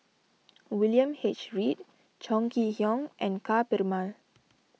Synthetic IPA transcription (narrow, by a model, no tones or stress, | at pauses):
wiljə̃mhet͡ʃɹit̚ | d͡ʒɔ̃ŋkihjɔ̃ŋʔɛ̃nkapɛɹmal